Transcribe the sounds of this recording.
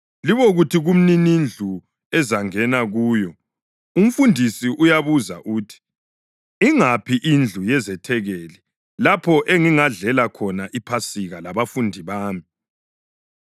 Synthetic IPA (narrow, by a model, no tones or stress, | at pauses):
liβoɣutʰiɣum̩ninind͡ɮʱu | ɛzaŋɛnaɣuːjɔ | um̩fundʱisiʔujaβuza̰ʔuːtʰi̥ | iŋapʰiʔind͡ɮʱujɛzɛtʰɛɣɛːli | lapʰɔʔeŋiŋaɮɛlakʰɔnaʔipʰasiɣalaβafundʱiβaːmi